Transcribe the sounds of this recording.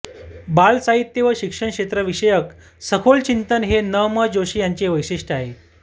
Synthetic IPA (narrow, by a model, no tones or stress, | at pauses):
balsaɦit̪ːjeʋəɕikʂəɳkɕet̪ɾəʋiɕəjək | səkʰolt͡ɕint̪ənɦenəməd͡ʑoɕiːjaɲt͡ɕeʋəjʂiʂʈaɦe